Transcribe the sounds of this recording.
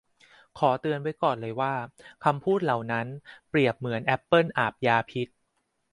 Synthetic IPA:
kʰɔː˩˦t̪ɯ˧ənwa˦˥jkɔː˨˩nlɤː˧jwaː˥˩kʰa˧mpʰuː˥˩t̪̚la˨˩wna˦˥npɾi˨˩əp̚mɯ˩˦ənʔɛ˦˥pːɤ˥˩nʔaː˨˩p̚jaː˧pʰi˦˥t̪̚

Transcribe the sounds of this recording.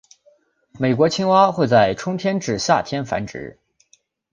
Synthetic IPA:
me˨˩ɪkwɔ˧˥t͡ɕʰi˥ŋwa˥xwe˥˧ɪt͡sa˥˩ɪʈ͡ʂʰʊ˥ŋt̪ʰjɛ˥nʈ͡ʂɻ̩˥˨˩ɕja˥˩t̪ʰjɛ˥nfa̰˧˥nʈ͡ʂɻ̩̰˧˥

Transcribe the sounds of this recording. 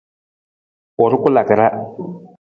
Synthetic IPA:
ɔ˨ɾɪ˦kʊ˦la˨kɪ˨ɾa˦

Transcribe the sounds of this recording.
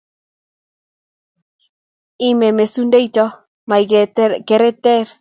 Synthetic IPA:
i˦me˨me˨su˦nde˦jtɔ˦ | ma˨jke˨ɾe˦t̪e˦ɾ

